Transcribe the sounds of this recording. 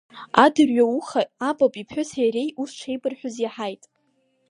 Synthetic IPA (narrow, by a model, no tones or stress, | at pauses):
adɨrɥauχaabʼapʼipʰħʷʊsaɾejʔust͡ʃʷʰejbʼɨrħʷᶣʊzjaħajtʼ